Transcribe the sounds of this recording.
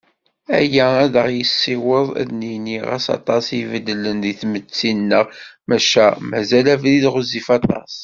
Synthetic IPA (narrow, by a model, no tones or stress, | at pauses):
æ̰jææðəʁjəsːiwəðˤæ̰ðniniʁæ̰sɑ̰t̪ˤɑsivəlːəlːənðiθmət͡sːinːəʁmæʃæmæzælævliðʁʊzifɑt̪ˤɑ̰sˤ